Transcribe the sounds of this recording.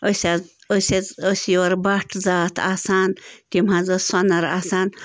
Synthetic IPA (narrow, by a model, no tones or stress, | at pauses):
əsʲa | əseəswɐɾbaʈʰzaːt̪ʰaːsaːnt̪imhãzɐsɐnɐɾa̰ːsaːn